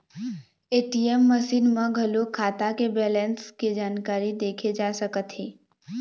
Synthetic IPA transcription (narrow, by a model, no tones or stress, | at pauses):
eːʈiemːəsiːnmə̃ɡʱəlokʰaːt̪akebɛːlə̃nskid͡ʒaːnkaːɾid̪eːkʰed͡ʒaːsəkət̪ɦeː